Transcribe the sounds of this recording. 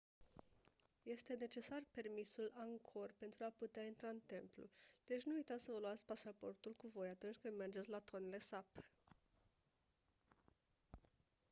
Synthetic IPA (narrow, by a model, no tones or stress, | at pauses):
je̞st̪e̞ne̞t͡ʃe̞sarpe̞rmisulaŋkʰo̞rpe̞nt̪ɾuaput̪eaint̪ɾaɨnt̪e̞mplṵd̪̥e̞t͡ʃʲnuujt̪at̪sʲsəvəluat̪sʲpasapo̞rt̪ulkuvo̞jat̪unt͡ʃʲkɨnd̪me̞rd͡ʒet̪sʲlat̪ʰo̞nele̞sap